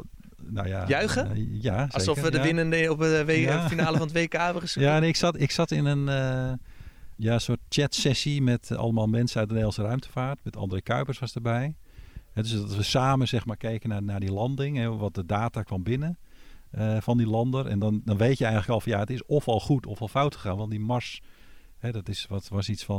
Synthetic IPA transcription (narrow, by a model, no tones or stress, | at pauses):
no̰jajaɥɣəjasɔkəʋədəʋɪnəndɔpəfinaːləfɔnətʋeːkaːɛbəəsjaneɪksatɪksatɪnənə | jansot̚t͡ʃɛtsɛsimɛtɑ̰lˠəmalˠmɛnsənœɥt̚dəneːlnsərœɥmtə̥faːrtmɛtɔ̰ndərekœɥpərsʋɔsdərbɛj | hɛdøsdɔtʋəsaːməsɛxmaːrkɛjkənanardilɑndɪŋɛʋɔt̚dədaːtakʋɑmbɪnəəfɔndilɑndərɛ̰ndɔndɔnʋeːtjəɛjŋləkɔlˠfɑnjaətɪsɔfɔlˠxutʰɔfɔlˠfawtxəxaːnʋɑntdimɔɹs | hɛdɔtɪsʋɔtʋɔsisfɔ